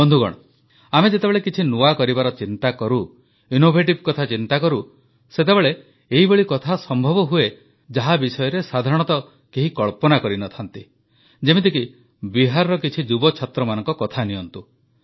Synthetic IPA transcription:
bɔnd̪ʱuɡɔ̰ɽ̃ɔ | amed͡ʒet̪ebeɭekit͡ʃʰinuakɔɾibaɾɔt͡ʃint̪akɔɾu | inobʱeʈ̬ibkɔt̪ʰat͡ʃint̪akɔɾu | set̪ebeɭe | eɦibɔɭikɔt̪ʰasɔmbʱɔbɔɦue | d͡ʒaɦabisɔjɔɾesad̪ʱaɾɔɽ̃ɔt̪ɔ | keɦikɔɭpɔnakɔɾinɔt̪ʰant̪i | d͡ʒemit̪iki | biɦaɾɔɾɔkit͡ʃʰid͡ʒubɔt͡ʃʰat̪ɾɔmanɔŋkɔkɔt̪ʰaniɔnt̪u

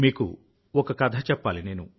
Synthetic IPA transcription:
miːkṵ | ɔkɐkɐd̪ʱɐt͡ʃɛpːaːline̞ːnu

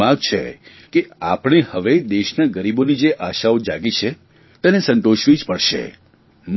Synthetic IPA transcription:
ãkt͡ʃʰḛ | keapɽ̃ehəʋed̪eʃnaɡəɾibonid͡ʒeʔaʃaod͡ʒaɡit͡ʃʰe | t̪ɛnesə̃nt̪oʃʋid͡ʒpəɽʃḛ | m

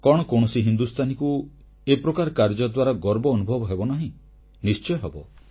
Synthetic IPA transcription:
kɔɽ̃ɔkoɽ̃ɔsiɦind̪ust̪ʰaniku | epɾɔkaɾkaɾd͡ʒɔd̪waɾaɡɔɾbɔːnubʱɔbɔɦebɔnaɦĩ | nist͡ʃɔjɦebɔ

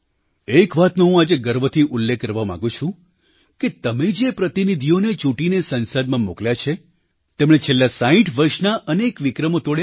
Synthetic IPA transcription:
ekʋat̪noɦũad͡ʒeɡəɾʋət̪ʰiʔʊlːekːəɾʋamã̰ɡũt͡ʃʰũ | ket̪əmed͡ʒepɾət̪inid̪ʱionet͡ʃuʈinesənsəd̪mãmokljat͡ʃʰe | t̪emɽet͡ʃʰelːasaĩʈʰʋəɾʃnaʔənekʋikɾəmot̪oɽja

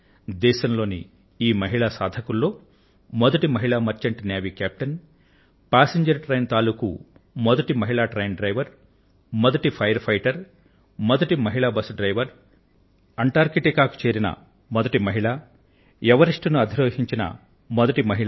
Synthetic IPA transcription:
d̪ɛːʃɐmlo̞ːnḭ | iːmɐɦiɭaːsaːd̪ʱɐkulːo̞ː | mɔd̪ɐʈimɐɦiɭaːmɐɾt͡ʃɐɳʈnjaːʋiːkaːp̚ʈɐn | paːseɲd͡ʒɐɾʈɾɐjnt̪aːlukṵ | mɔd̪ɐʈimɐɦiɭaːʈɾɐjnɖɾɐjʋɐɾ | mɔd̪ɐʈipʰɐjɐɾpʰɐjʈɐɾ | mɔd̪ɐʈimɐɦiɭaːbɐsɖɾɐjʋɐɾ | ɐɳʈaːɾkiʈikaːku̥t͡ʃeːɾinɐ̰ | mɔd̪ɐʈimɐɦiɭaː | ɛʋɐɾiʂʈunuɐd̪ʱiɾoːɦiɲt͡ʃinɐ̰ | mɔd̪ɐʈimɐɦiɭ

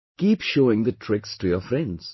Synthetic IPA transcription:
kiːpʃoːɪ̃ŋd̪ətʰɾɪkstujəfɾɛ̃ndz̥

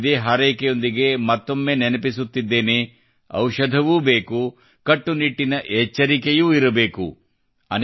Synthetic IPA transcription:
d̪eːɦaːɾejkejo̞nd̪iɡe̞mɐt̪ːo̞mːe̞ːnenɐpisut̪ːid̪ːe̞ːne | ɐ̰wʃɐd̪ʱɐʋuːbe̞ːku | kɐʈːuniʈːinɐʔɛt͡ʃːɐɾikejuːiɾɐbe̞ːkṵ | ɐ̰n

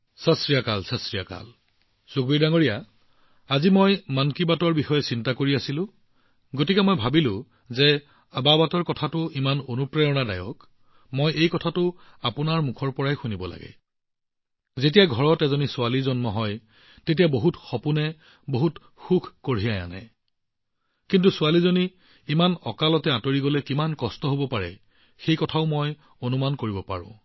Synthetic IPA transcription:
sasɹijakalsasɹijaka̰l | soɡbiɹdaŋoɹija | azimojmankibatɔɹbixɔjɛsintakoɹiasilʊ̃ | ɡotikɛmojbʱabilʊ̃ | zɛ | ababatɔɹkɔtʰatʊimanonupɹɛjɔnada̰jɔ̰k | mojejkɔtʰatʊapʊnaɹmukʰɔɹpɔɹajxunibɔla̰ɡɛ̰ | zet̬ijaɡʱɔɹɔtɛzonisʊalizɔnmɔɦɔj | tet̬ijaboɦutxɔpunɛ | boɦut | xukʰkoɹ̤ijaja̰nɛ̰ | kintusʊalizoniː | manɔkalɔtɛatoɹiɡɔlɛkimankɔstɔɦobɔpaɹɛ̰ | xejkɔtʰaʊmɔj | onumankoɹibɔpa̰ɹʊ̰̃

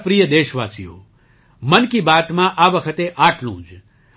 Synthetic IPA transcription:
pɾijəd̪eːʃʋaːsijo̰ː | mənkibaːt̪mãʔaʋəkʰət̪eʔaːʈʰlṵ̃ːd͡ʒ

